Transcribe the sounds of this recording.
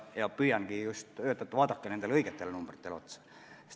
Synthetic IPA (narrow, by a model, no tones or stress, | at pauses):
jɑpyjæŋɡ̥ijust̪øt̪ːˑæet̪ʋɑːd̪ɑkːenend̪elɤiɡet̪ːelnumb̥rit̪ːelot̪sɑ̥ | s